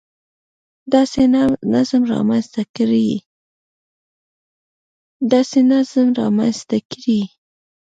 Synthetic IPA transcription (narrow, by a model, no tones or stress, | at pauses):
d̪ɑsenazmɾɑ̰manst̪akɾi | d̪ɑsenazmɾɑ̰manst̪akɾi